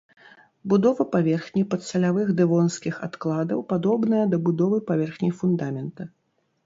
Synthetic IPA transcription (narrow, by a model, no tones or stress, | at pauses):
bud̪ɔvɐpavʲɛrxnʲipɐt̪sɐlʲavɨɣd̪ɨvɔnskʲixa̰t̪klˠad̪ɐwpad̪ɔbnɐjɐd̪ɐbud̪ɔvɨpavʲɛrxnʲifund̪amʲɛnt̪ɐ